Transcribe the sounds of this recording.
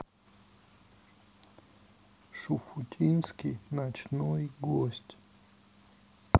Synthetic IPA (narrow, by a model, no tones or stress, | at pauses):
ʃufut̪ʲʰinskinat͡ʃnoiɡosʲtʲ